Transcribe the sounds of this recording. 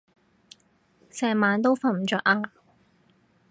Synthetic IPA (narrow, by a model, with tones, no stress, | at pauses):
sɛː˨˩maː˨˧˥nt̪̬o˥wfa˧nm̩˨˩t͡ʃœː˨˧k̚ʔaː˧